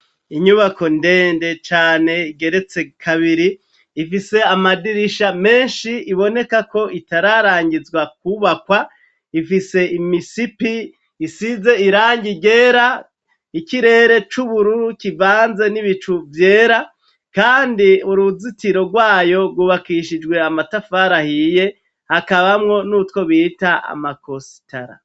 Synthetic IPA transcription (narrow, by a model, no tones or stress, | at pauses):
iɲuβako̞nde̞ːnde̞t͡ʃaːne̞iɡe̞ɾe̞t͡se̞kʰaβiɾiː | fise̞amadiɾiʃame̞ːnʃiiβo̞ne̞kako̞ʔitaɾaɾaːɲɟizɡwakuβakwa | ifise̞imisipiː | size̞iɾaːɲɟiɟe̞ːɾa | iciɾe̞ːɾe̞t͡ʃuβuɾuɾkivaːnze̞niβit͡ʃuvje̞ːɾa | kaːndiuɾuzitiɾo̞ɾɡwaːjo̞ɾɡwuβakiʃid͡ʒɡwe̞amatafaɾahije̞ | hakaβamŋo̞nutko̞βiːtaa̰makosi̥taɾa̰